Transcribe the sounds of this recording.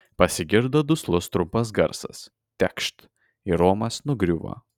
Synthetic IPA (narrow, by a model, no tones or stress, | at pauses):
pɐsʲɪɡʲɪɾd̪od̪ʊslˠʊst̪ɾʊmpɐs̬ɡɐɾsɐ̰s | t̪ʲɛkʃt̪ | ɪɾoːmɐsnʊɡɾʲuʋo̰